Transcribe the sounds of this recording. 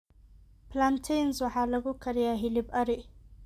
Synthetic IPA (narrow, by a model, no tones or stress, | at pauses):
pʰlant̪ʰɛjnswɑħɑːlɐɣʊkʰɐɾɪjaɦɪlɪbɐɾɪ